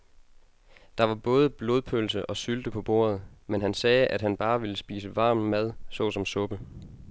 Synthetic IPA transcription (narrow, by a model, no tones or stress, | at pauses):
d̥ɑ̈ʋɑ̈b̥ɔ̽ːð̞ˠəb̥lo̝ð̞ˠpʰølsəʔɒ̽syld̥əpʰɒ̽b̥o̝̰ːɐð̞̩ˠmenɦænsɛːʔæd̥ɦænb̥ɑ̈ːʋe̝ləsb̥ḭːsəʋɑ̈ːmmæð̞ˠsɒ̽sɒ̽msɔ̽b̥ə